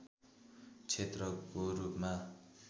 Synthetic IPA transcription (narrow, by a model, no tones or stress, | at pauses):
t͡sʰet̪rʌɡoɾup̚ma